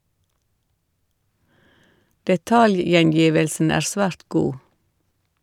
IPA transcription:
dɛˈtɑljjɛnˌjiːʋəlsn̩ ˈæːɾ ˈsʋæːɾt ˈɡuː

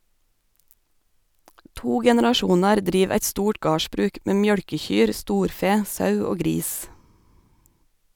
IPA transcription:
ˈtuː ɡɛnɛɾɑˈʃuːnɑɾ ˈdɾiːʋ ˈæɪt ˈstuːʈ ˈɡɑːʃbɾʉːk ˈmeː ˈmjœɽkəˌçyːɾ ˈstuːɾˌfeː ˈsɑʉ ˈoː ˈɡɾiːs

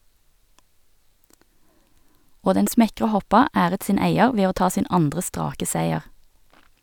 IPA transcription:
ˈoː ˈdɛn ˈsmɛkʁə ˈhɔpɑ ˈæːʁət ˈsiːn ˈæɪəʁ ˈʋeː ˈoː ˈtɑː ˈsiːn ˈɑndʁə ˈstʁɑːkə ˈsæɪəʁ

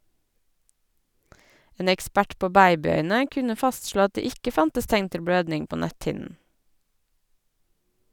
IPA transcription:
ˈeːn ɛkˈspæʈ ˈpoː ˈbæɪbɪˌœʏnə ˈkʉnə ˈfɑstˌʃloː ˈɑt ˈdeː ˈɪkə ˈfɑntəs ˈtæŋn ˈtɪl ˈbɽøːdnɪŋ ˈpoː ˈnæthɪnn̩

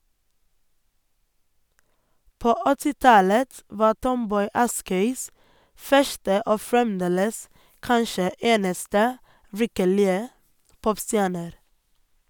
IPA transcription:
ˈpoː ə ˈɔtɪ ˈtɑlət ˈʋɑː ˈʈɔmˌbɔʏ ˈɑskœʏs ˈfœʃtə ˈoː fɹɛmˈdeːləs ˈkɑnʃə ˈeːnəstə ˈʋɪkəɭɪə ˈpɔpˌstjæːɳəɾ

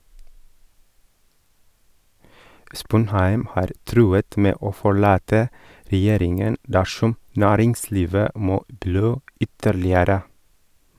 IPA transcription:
ˈspʊnhæɪm ˈhɑːɾ ˈtɾʉːət ˈmeː ˈoː fɔˈɭɑːtə ɾɛˈjeːɾɪŋən ˈdæʃɔm ˈnæːɾɪŋˌsliːʋə ˈmoː ˈbɽøː ˈʏtəɭɪəɾə

